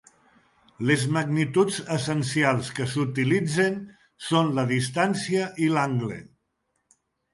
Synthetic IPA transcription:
lezmaɡnit̪ud͡zəsənsialˠskəsut̪ilid͡zen | sonləðist̪ansiəʔilaŋɡlḛ

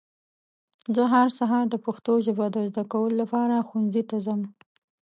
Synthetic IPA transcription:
zəɦaɾsaɦɑɾd̪əpaxt̪oʒɪbɑd̪əzd̪akawəlolapɑɾaxunzit̪azəm

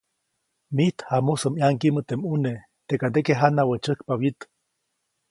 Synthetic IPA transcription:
miht̪hamusəmjaŋkimət̪emune | t̪ekand̪ekeɦanawət͡ʃəhkpawit̪

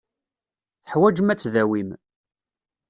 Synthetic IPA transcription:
θə̥ħwæd͡ʒəmæt͡sːðæwim

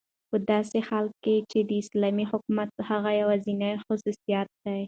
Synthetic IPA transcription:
pəd̪ɑsexalkːet͡ʃed̪əɪslɑmihʊkmat̪haɣajawazinajxʊsusijɑt̪̚d̪aj

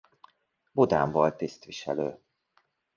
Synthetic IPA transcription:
bod̪aːɱvɒlt̪ist̪vʋiʃɛlø̰ː

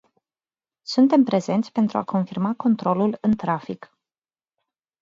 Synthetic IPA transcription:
sunt̪e̞mpɾe̞ze̞nt̪sʲpe̞nt̪ɾua̰ko̞nfirmako̞nt̪ɾo̞lulɨnt̪ɾafik

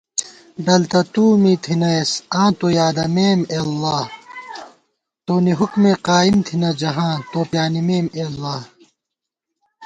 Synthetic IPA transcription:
ɖɐlt̪ɐt̪uːmiːt̪ʰinɐesãːt̪oːjaːd̪ɐmeːmeːlːaːh | t̪oːniɦukmeqaːimt̪ʰinɐd͡ʑɐɦãːt̪oːpjaːnimeːmeːɐlːaːh

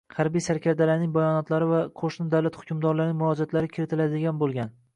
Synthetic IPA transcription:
hɑɾbijsaɾkʲʰaɾd̪alaɾnɪŋbajɒnɒt̪laɾɪvaqʰoʃnɪd̪awlat̪hʊ̥kʰʲʊmd̪ɒɾlaɾnɪŋmʊɒd͡ʒat̪laɾɪkʲʰɪɾɪt̪ʰɪlad̪ɪɡʲanbolˠɡʲan

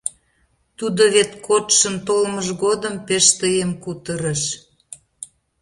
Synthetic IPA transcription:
t̪ud̪oβet̪kʰot̪ʃənt̪olməʒɣod̪əmpeʃt̪əjəmkut̪əɾəʃ

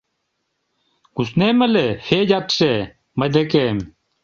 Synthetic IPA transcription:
ɡ̥usnemɐlefeːd͡ʑɐtɕe | mɐd̪ekem

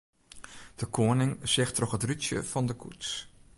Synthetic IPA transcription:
d̥əkʰoənɪŋsɪxtrɔxətrytjə̰vɑndəkʰṵts

